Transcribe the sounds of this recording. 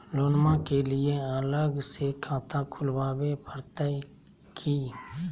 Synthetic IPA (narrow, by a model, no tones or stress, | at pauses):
loːnmãkelɪeələɡsekʰãːt̪ʰãkʰʊlʋaːwepʰəɾt̪ai | kʰiː